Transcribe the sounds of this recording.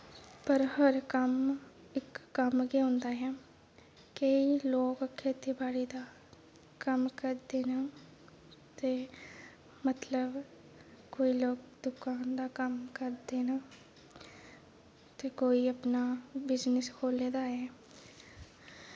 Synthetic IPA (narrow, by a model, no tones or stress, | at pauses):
pəɾhəɾkəm | ɪkːəmkeõːnd̪aːɦɛː | keiloːkkʰːeːt̪ibaːɽiːd̪aː | kəmkəɾd̪eːnaː | t̪eː | mət̪ləb | koːiːloːk̚d̪ʊkaːnd̪aːkəmkəɾd̪eːnaː | t̪eːkoːiːəpnaːbɪznəskʰoːleːd̪aːɦɛː